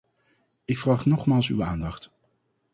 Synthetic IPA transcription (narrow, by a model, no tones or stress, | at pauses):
ɪkfraːχnɔχmaːlˠsy̰waːndɑχt